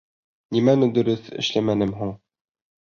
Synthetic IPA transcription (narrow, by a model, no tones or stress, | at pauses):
nimænɘ̆d̪ɵ̆ɾɘθɘ̰̆ʃlæmænɘmɦuɴ